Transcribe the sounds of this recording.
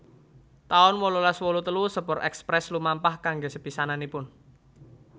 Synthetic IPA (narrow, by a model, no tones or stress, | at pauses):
t̪aʊnwololaswolut̪əlusəpɔɾʔɛ̰kspɾɛslumampahkaŋɡesəpisananipʊn